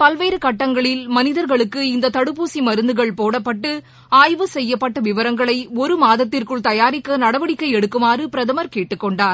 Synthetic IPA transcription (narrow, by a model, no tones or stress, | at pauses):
pɐlʋeːɾɯkɐʈːɐŋɡɐɭɪlmɐnɪðɐɾɣɐɭɯkːɯɪnd̪ɐt̪ɐɽɯpːuːsimɐɾɯnd̪ɯɣɐɭpoːɽɐpːɐʈːɯ | aːjʋɯsɛjːɐpːɐʈːɐʋɪʋɐɾɐŋɡɐɭɐɪɔɾɯmaːðɐt̪ːɪrkɯɭt̪ɐjaːɾɪkːɐnɐɽɐʋɐɽɪkːɐɪɛɽɯkːɯmaːrɯpɪɾɐðɐmɐɾkeːʈːɯkːɔɳɖaːɾ